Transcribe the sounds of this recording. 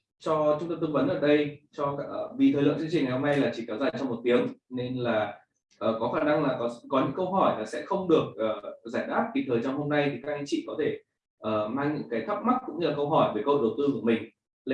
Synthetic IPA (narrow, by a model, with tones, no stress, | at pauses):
t͡ɕɔ˧t͡ɕʊ˨˦ŋ͡mt̪ə˧mt̪ɨ˧ŋvə˨˦nʔəː˧˩ɗə˧jt͡ɕɔ˧˦˨vi˨˩t̪ʰə˨˩jlə̰˧˨ŋt͡ɕɨ˧t͡ɕï˨˩ŋa˨˩jho˧na˧jlaː˨˩t͡ɕḭ˧˨kaː˧˩wzaː˨˩t͡ɕɔ˧ŋ͡mmo˨˩t̚t̪i˨˦əŋne˧nlaː˨˩ | ʔəː˨˩kɔ˨˦xaː˧˩na˧ŋlaː˨˩kɔ˨˦kɔ˨˦ɲɨ̰˧˥ŋkə˧wɦɔ˧˩jlaː˨˩sɛ̰˧˥xə˧wŋ͡mɗɨ˨˩ək̚ʔəː˨˩zaː˧˩jɗaː˦˥p̚ki˨˩t̪ʰəː˨˩jzaː˧mho˧mna˧jt̪ʰi˨˩ka˦˥k̚a˨˧˦t͡ɕḭ˧˨kɔ˨˦t̪ʰe˧˩ | ʔəː˨˩maː˧ŋɲɨ̰˧˥ŋkaː˨˦jt̪ʰə˦˥p̚ma˦˥k̚kʊ̰˧˥ŋ͡mɲɨ˧laː˨˩kə˧wɦɔ˧˩jve˧˩kə˧ho̰˧˨˩wt̪ɨ˧ku˧˩əmï˨˩ŋ̟ | l